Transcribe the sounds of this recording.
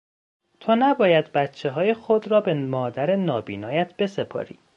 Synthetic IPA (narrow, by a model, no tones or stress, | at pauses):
t̪ʰonæbɒːjæd̪bæt̪t͡ʃʰːe̞ɦɒːjexod̪ɾɒːbe̞mɒːd̪æɾe̞nɒːbḭːnɒːjæt̪ʰb̥e̞sepʰɒ̰ːɾḭː